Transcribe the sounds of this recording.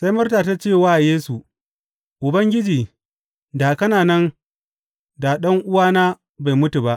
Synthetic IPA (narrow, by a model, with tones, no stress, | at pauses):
sa˦jmʊ˦rtaː˨ta˦t͡ʃeː˦˨waː˦˨jeː˦su˨ | ʔʊ˨bɐ˦ŋɡʲɪ˦d͡ʒiː˨ | daː˨kɐ˦naː˨nɐ˦n | da˨ɗɐ˦ŋʔʊ˦waː˦naː˦ | ba˨jmʊ˦tu˨ba˦ʔ